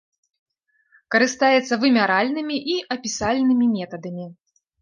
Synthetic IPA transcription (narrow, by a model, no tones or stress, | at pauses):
kɐɾɨst̪ajɛt̪sːɐvɨmʲaɾalʲnɨmʲiʔiʔɐpʲisalʲnɨmʲimʲɛt̪ɐd̪ɐmʲi